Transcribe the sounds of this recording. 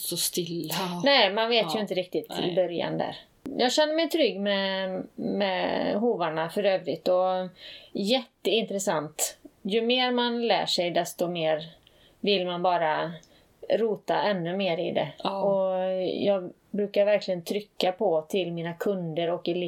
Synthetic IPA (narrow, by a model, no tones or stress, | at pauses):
sɔst̪ɪlːanɛɪmanveːt̪ʰjɵɪnt̪əɾɪk̚t̪ɪt̪ʰɪ̰bœɾja̰nd̪æ̰ɾ | jɑːɡɕɛnːəɾmɛjt̪ʰɾʏɡːmɛ | mɛɦuːvaɳafœɾøːvɾɪt̪ːɔ | jɛt̪ːəɪnt̪ɾɛsant̪jɵmeːɾmanlæ̰ːʂɛjd̪ɛst̪ɔmeːɾ | vɪlːmanbɑːɾa | ɾuːt̪a̰ʔɛnːɵmeːɾɪ̰d̪ɛ̰ɔjɑːɡ | bɾʉːkaɾvæɾklɪɡənt̪ʰɾʏkːapʰɔt̪ʰɪlmiːnakʰɵnd̪əɾɔkːɪlː